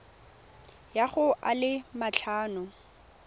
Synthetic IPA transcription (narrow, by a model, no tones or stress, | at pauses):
jaχʊʔalɪmaɬʰaːnʊ